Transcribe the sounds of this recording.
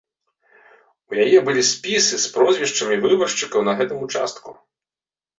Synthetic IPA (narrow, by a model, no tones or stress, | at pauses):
ujɐjɛbʊlʲispʲisɪspɾɔzʲʋʲiʃt͡ʃɐmiʋɪbɐrʃt͡ʃɪkɐwnɐɦɛt̪ɪmʊt͡ʃɑ̰st̪kʊ̰